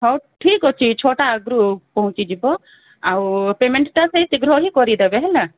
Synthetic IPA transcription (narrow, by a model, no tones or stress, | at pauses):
ɦɔʈʰikɔt͡ʃʰit͡ʃʰoʈaːɡɾupɔɦũt͡ʃid͡ʒibɔ | awpemeɳʈʈaseit̪iɡɾɔɦikɔɾid̪ebeɦɛla